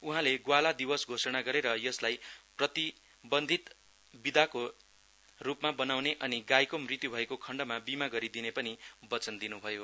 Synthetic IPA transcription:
uɦãleɡwalad̪ibʌsɡʱosʌɽ̃aɡʌɾeɾʌjʌslajprʌt̪i | bʌnd̪ʱit̪ | bid̪ako | rupmabʌnawneʔʌniɡajkomrit̪jubʱʌekokʰʌɳɖʌmabimaɡʌɾid̪inepʌnibʌt͡sʌnd̪inubʱʌjo

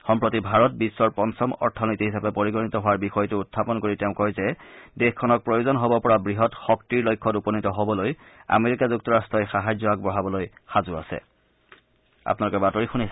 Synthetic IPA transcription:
xɔmpɹotibʱaɹɔt̚bisːɔɹpɔnsʰɔmɔ̰ɹtʰɔnitiɦisapɛpoɹiɡɔnitɔɦowaɹbixɔjtʊːtʰːapɔnkoɹiteʊ̃kɔjzɛdexkʰːɔnɔk̚pɹojozɔnɦobɔpɔɹabɹiɦɔtxɔktiɹlojkʰːɔtupɔnitɔɦobɔloj | a̰meɹikazuk̚tɔɹastɔjxaɦajzɔak̚bɔɦabɔlojxazʊa̰sɛ̰ | a̰pnalʊkɛbatoɹixunis

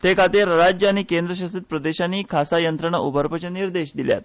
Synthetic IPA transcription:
t̪ekat̪eɾɾad͡ʑjəañiːkend̪ɾəɕ̬asit̪̚pɾəd̪eɕanːiːkʰasajənt̪ɾəɳaʔubəɾpət͡ɕəniɾd̪eɕd̪ilja̰t̪̚

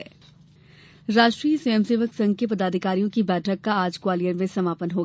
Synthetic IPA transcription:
ɾaːʃʈɾijsojəmseːʋəksɐ̃ŋɡ̚kep̬ɐd̪aːd̪ʱɪkaːɾijõkibɛːʈʰəkːaaːd͡ʒkwaːlijəɾmẽsɐmaːpənɦoːɡ

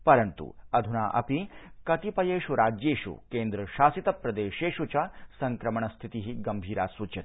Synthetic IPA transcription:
pɐɾɐnt̪ṵɐd̪ʱunaːʔɐ̰pikɐt̪ipɐjeːʃuɾaːd͡ʒjeːʃṵkeːnd̪ɾɐʃaːsit̪ɐpɾɐd̪eːʃeːʃut͡ʃasɐŋkɾɐmɐɳɐst̪ʰit̪iɦiɡɐmbʱiːɾaːsʋut͡ʃɐt̪

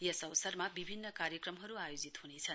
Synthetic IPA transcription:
jesʌwsʌrmabibʱinːʌkaɾjʌkrʌmɦʌɾuajod͡zit̪hunet͡sʰʌn

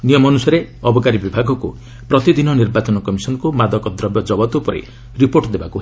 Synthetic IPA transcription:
nijɔmɔnusɔɾe | ɔbɔkaɾibibʱaɡʱɔku | pɾɔt̪id̪inɔniɾbat͡ʃɔnɔkɔmisɔnɔkumad̪ʱɔkɔd̪ɾɔbjɔd͡ʒɔbɔt̪upɔɾḛ | ɾipoɾʈd̪ebaku

